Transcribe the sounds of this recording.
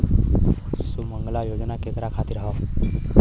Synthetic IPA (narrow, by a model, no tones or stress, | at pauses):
suməŋɡlajod͡ʒnaket̪ɾakʰat̪iɾaɦo